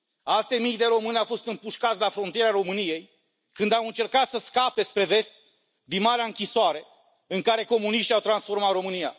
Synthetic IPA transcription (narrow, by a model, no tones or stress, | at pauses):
alt̪e̞mijd̪e̞ɾo̞mɨneawfo̞st̪ɨmpuʃkat̪sʲlafɾo̞nt̪ijeɾeaɾo̞mɨnije̞j | kɨnd̪awɨnt͡ʃe̞rkat̪səskape̞spɾe̞ve̞st̪̚ | d̪inmaɾeaɨŋkʲisoaɾe̞ | ɨŋkaɾe̞ko̞muniʃt̪iawt̪ɾansfo̞rmat̪ro̞mɨnija̰